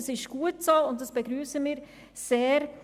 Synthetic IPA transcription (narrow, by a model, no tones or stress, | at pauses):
sɪʃɡ̥uːətsoːʊntdɑsb̥əɡʁyːsəmiːɾ | seːɾ